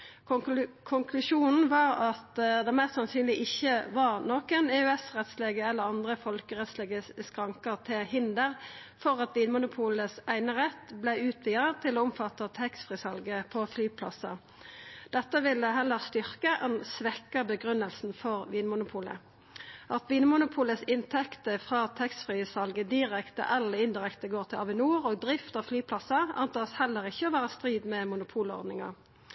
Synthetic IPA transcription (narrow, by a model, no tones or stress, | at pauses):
kʰʊŋkʰlʉʃuːnn̩ʋɑːʁɑt̪d̪ɛmæst̪sɑnsyːnlɪʔɪçːəʋɑʁnɔkəneːʉɛsʁɛt̪sleːɡəɛlːəʁɑnd̪ʁəfɔlkəʁɛt̪sleːɡəskʁɑŋkəʁt̪ʰɪlhɪnd̪əʁfɔʁɑt̪ʋiːnmʊnʊpʰuːləsæɪnəʁɛt̪blæɪʉːt̪ʰʋiːət̪ʰɪloːʊmfɑt̪ːɑt̪ʰɛksfʁɪsɑlɡəpʰɔflyːpʰlɑ̰sɑ | d̪̥ɛt̪ːəʋɪlːəɦɛlːəʁst̪ʏʁkəʔɛnsʋɛkːɑbəɡʁʉnːəlsn̩fɔʁʋiːnmʊnʊpʰuːlə̰ | ʔɑt̪ʋiːnmʊnʊpʰuːləsɪnt̪ʰɛkt̪əfʁɑːt̪ʰɛkst̪fʁiːsɑlɡəd̪ɪʁɛkt̪ə̰ʔɑlːəɪnd̪ɪʁɛkt̪əɡoːʁt̪ʰɪlɑʋɪnuːʁoːɡ̚d̪ʁɪft̪ɑʋflyːpʰlɑsɑɑnt̪ɑːshɛlːəʁɪçːəɔʋæːʁəst̪ʁiːd̪mɛmʊnʊpʰuːlɔ̰ʁd̪nɪŋɑ̰ʁ